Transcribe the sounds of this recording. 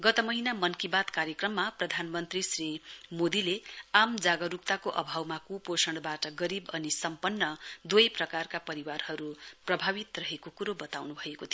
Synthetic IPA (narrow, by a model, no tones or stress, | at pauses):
ɡʌt̪ʌmʌɦinamʌnkibat̪kaɾjʌkrʌmːaprʌd̪ʱanmʌnt̪risrimod̪ileamd͡zaɡʌɾup̚t̪akoʔʌ̰bʱawmakuposʌɳɽbaʈʌɡʌɾibʌnisʌmpʌnːʌd̪wojprʌkarkapʌɾiwarhʌɾuprʌbʱabit̪rʌɦekokuɾobʌt̪awnubʱʌekot̪ʰij